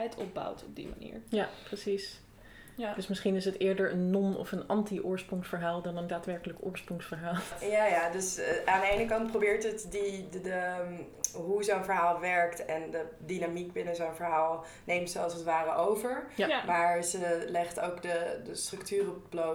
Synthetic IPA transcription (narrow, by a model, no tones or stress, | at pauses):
ɛjtʰɔb̚ba̰wtʰɔb̚dḭma̰nḭːɹjaprəsis | dəsmɪsχinɪs̬ətɪːɹdəɹənːɔmɔ̰fənɑntiʔʊːɹsprʊŋsfəɹɦaːlˠdɑnəndaːtʋɛɹkələkʊ̰ːɹsprʊŋsfəɹɦaːlˠjajadɵsaːndəejnəkɑnt̚probɪːɹtɦətdiə | ɦuzonvəɹɦaːlˠʋɛɹktɛndədinamik̚bɪnəzownvəɹɦaːlˠ | nejmtsəɑsətʋaːrəʔowvəɹmaːɹzəlɛχtowkdədəstrɵktyːrəpb̥lo